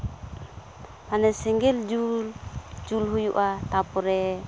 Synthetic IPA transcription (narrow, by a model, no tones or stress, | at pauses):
manɛsɛŋɡɛld͡ʒuld͡ʒulɦujuʔat̪apɔɾɛ